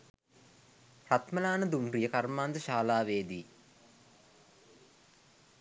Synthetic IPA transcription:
rat̪məlaːnəd̪umrijəkarmaːnd̪əʃaːlaːʋeːd̪iː

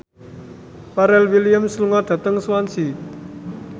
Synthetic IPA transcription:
paɾɛlwilijəmsəluŋad̪̥ä̤t̪əŋswansi

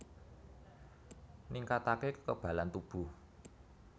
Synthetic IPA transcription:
niŋkat̪akekə̥kəb̥ä̤lant̪ub̥ṳ

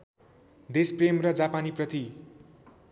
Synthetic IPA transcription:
d̪espremrʌd͡zapaniprʌt̪i

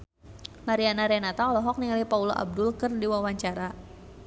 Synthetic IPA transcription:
maɾianaɾɛnat̪aɔlɔɦɔk̚niŋalipaulɔʔa̰b̚dʊlkərdiwawaɲt͡ʃaɾa

